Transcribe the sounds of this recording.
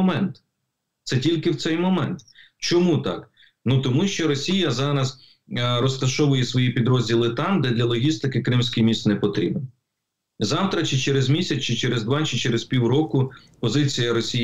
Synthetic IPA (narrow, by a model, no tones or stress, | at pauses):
mɛnt̪ | t̪sɛtʲilʲkɪwt̪sɛjmɔmɛnt̪ | t͡ʃɔmut̪ɑ̰k | nut̪ɔmuʃt͡ʃɔɾɔsʲijɐzɑɾɐz | ɾɔst̪ɐʃɔʋʊjɛsʋɔjipʲid̪ɾɔzʲdʲilˠɪt̪ɑmd̪ɛd̪lʲɐlˠɔɦʲist̪ɪkɪkɾɪmsʲkɪjmʲist̪nɛpɔt̪ɾʲḭbn | zɑwt̪ɾɐt͡ʃɪt͡ʃeɾezmʲisʲɐt͡st͡ʃɪt͡ʃɛɾezd̪ʋɑt͡ʃɪt͡ʃɛɾɪzpʲiwɾɔkʊ | pɔzɪt͡sʲijɐɾɔsʲi